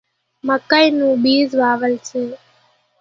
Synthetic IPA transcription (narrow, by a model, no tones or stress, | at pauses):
məkːəjnũːbiːzʋaːʋəlseː